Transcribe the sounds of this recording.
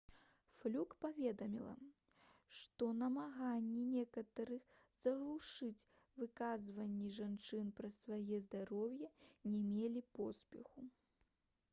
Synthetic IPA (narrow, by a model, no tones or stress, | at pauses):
flʲukpavʲɛd̪ɐmʲilˠɐ̰ | ʂt̪ɔnɐmaɣanʲːinʲɛkɐt̪ɐɾɨx | zɐɣlˠuʂɨt͡sʲ | vɨkazvɐnʲːiʐant͡ʂɨnpɾɐsvajɛzd̪aɾɔwjɐnʲɛmʲelʲipɔspʲɛxu